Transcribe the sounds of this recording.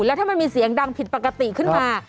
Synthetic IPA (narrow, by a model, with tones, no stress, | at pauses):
lɛː˦˥t̪ʰaː˥˩ma˧nmiː˧si˨˩˦əŋda˧ŋpʰi˨˩t̪̚pa˨˩ka˧t̪i˨˩kʰɯ˥˩nm˥˩aː˧